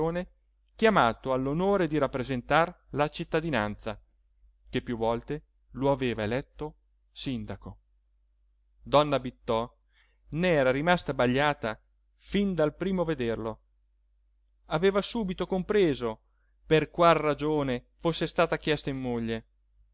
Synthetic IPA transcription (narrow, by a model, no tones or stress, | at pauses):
oːne | kjamaːt̪oalːonoːɾed̪iɾapːɾezent̪arlat͡ʃit̪ːad̪inant̪sa | kepːjuvːɔlt̪e | loaveːvaelɛt̪ːo | sind̪ako | d̪ɔnːabit̪ːɔ | neɛːɾaɾimast̪abaʎːaːt̪a | find̪alpɾiːmoved̪erlo | aveːvasuːbit̪okompɾeːzo | perkwalːad͡ʒoːne | fosːest̪aːt̪akjɛst̪aimːoʎːe